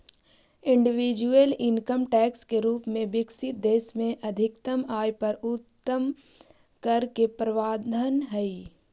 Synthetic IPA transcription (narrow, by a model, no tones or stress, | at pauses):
ɪ̃ɳɖɪʋiːd͡ʒuəlɪŋkəmʈɛːkskeɾuːpmẽbɪksɪt̪̚d̪eːsmẽʔɐd̪ʱɪkt̪əmaːjpɐɾʊt̪ːəm | kəɾkepɾɐʋaːd̪ʱənɦɛi